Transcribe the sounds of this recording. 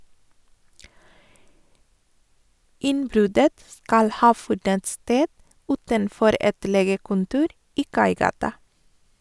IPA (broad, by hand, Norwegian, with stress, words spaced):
ˈɪnˌbɾʉdət ˈskɑl ˈhɑː ˈfʉdənt ˈsteːd ˈʉːtənˌfɔɾ ˈɛt ˈleːɡəkʊnˌtuːɾ ˈiː ˈkɑɪˌɡɑːtɑ